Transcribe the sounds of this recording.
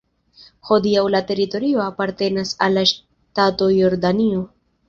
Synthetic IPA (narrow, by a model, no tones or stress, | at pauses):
ho̞diawlate̞ɾito̞ɾio̞apaɾte̞nasalːaʃ | tato̞joɾdanio